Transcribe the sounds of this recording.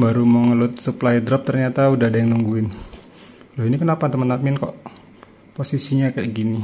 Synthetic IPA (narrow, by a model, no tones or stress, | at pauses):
baɾumɔŋəlʊt̪̚suplajd̪ɾɔp̚t̪ərɲat̪audahdaŋnuŋɡuɪn | lɔɦinikənapat̪əmənt̪mɪnkɔʔ | posisiɲakaʔɡini